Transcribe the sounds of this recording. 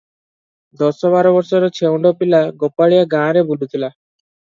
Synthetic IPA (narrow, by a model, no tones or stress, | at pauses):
d̪ɔsɔbaɾɔbɔɾsɔɾɔt͡ʃʰeuɳɖɔpilaɡɔpːaɭijaɡãːɾebulʱut̪ʰila